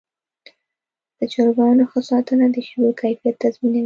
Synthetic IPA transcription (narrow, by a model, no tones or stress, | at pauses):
d̪̥ət͡ʃɑɾbɑnoxəsɑt̪ənad̪əʃbokʰajfijat̪ːazminawi